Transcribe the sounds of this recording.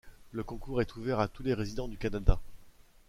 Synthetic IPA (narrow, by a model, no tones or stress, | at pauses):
ləkɔ̃kuʁɛt̪uvɛʁat̪uleʁezid̪ɑ̃d̪ykanad̪a